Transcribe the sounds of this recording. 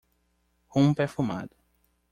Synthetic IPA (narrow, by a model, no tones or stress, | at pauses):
hũmpefuma̰d̪ʊ